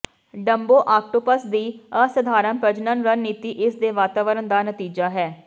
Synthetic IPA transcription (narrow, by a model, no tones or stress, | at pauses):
ɖəmboːʔaːk̚ʈoːpəsd̪iːəsəd̪ʱaːɾəmpɾəd͡ʒnənɾənːiːt̪iːʔɪsd̪eːʋaːt̪aːʋəɾənd̪aːnət̪iːd͡ʒaːɦɛː